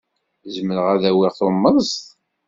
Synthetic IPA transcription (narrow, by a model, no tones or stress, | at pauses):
zəmːəɾəʁæðæwiʁθomːəst̪